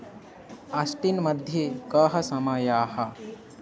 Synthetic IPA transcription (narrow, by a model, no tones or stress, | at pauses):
ɐsʈinmɐd̪ʱjekɐɦɐ̆sɐmɐjaːhɐ̆